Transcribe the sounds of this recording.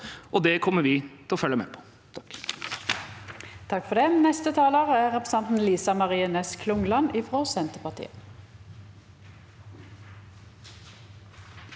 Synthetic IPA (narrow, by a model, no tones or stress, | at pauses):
ʔɔd̪ɛkʰɔmːəɾʋɪt̪ʰɪlɔfœlːəmɛpʰɔ̥ | t̪ʰɑ̥k | t̪ʰɑkfɔʁd̪ɛːnɛst̪ət̪ʰɑːloːʁəæːʁɛpʁəsɛnt̪n̩liːsɑmɑʁiːənɛskʰlʊŋlɑnɪːfʁoːsɛnt̪əpɑʁt̪ʰḭːə